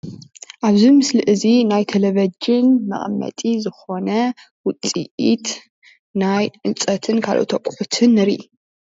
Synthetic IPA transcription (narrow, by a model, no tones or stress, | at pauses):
ʔaβzimɨslɨʔɨzinajt̪ʰɐlɐβɐd͡ʒɪnmɐ̰ʔʼmːɐ̰t̪ʼizɨxo̞nɐ | wʊt͡sʼḭʔit̪ | najʔɨnt͡sʼɐt̪ʰɨnkʰa̰lʔo̰t̪ʰɐkʼħut̪ʰɨnɨɾiʔ